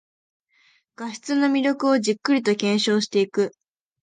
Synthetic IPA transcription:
ɡ̥aɕi̥t͡sɨno̞mʲiɾʲo̞kɯ̟o̞ʑikːɯ̟ɾʲit̪o̞kʲẽ̞ɰ̃ɕo̞ːɕi̥t̪e̞ikɯ̟

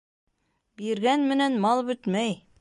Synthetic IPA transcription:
biɾɡænmɘ̆nænmɑlˠbɵt̪mæj

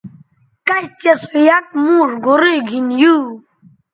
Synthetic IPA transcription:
kaɕt͡ɕesojak̚mũːʐɡoɾeɡʱinju

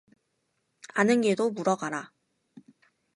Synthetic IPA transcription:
anɯnɡe̞domuɾʌɡaɾa

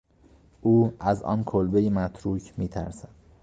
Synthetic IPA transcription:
ʔuːʔæzʔɒ̰ːnkʰolbejemæt̪ʰɾuːcʰmiːt̪ʰæ̰ɾsæd̪̥

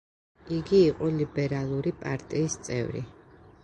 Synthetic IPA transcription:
iɡiːqʼɔlibɛɾalˠuɾipʼaɾt̪ʼiːst̪sʼɛ̰vɾḭ

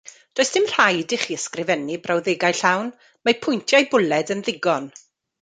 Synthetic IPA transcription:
d̥oːɨsd̥ɪmr̥ajdɪχiːəskrɪvɛnibrawðeɡajɬawn | mapʰʊjntʰjajbʊlɛdənðɪɡɔn

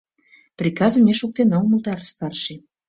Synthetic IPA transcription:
prʲikɑzə̆mʲeʃuk̚t̪enɑuməlt̪ɑɾst̪ɑrʃe

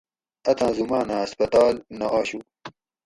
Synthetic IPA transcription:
ɐt̪ʰãːzumaːnãːɐspɐt̪aːlnɐʔaːɕu

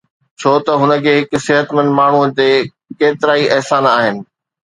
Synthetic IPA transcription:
t͡ɕʰoːt̪ɐɦʊnə̆kʰeːɦɪk̆sɪɦət̪mə̃nd̪maːɳ̤ud͡ʑ̪eː | keːt̪ɪɾaːiʔɛɦsaːnaːɦɪnɪ̆

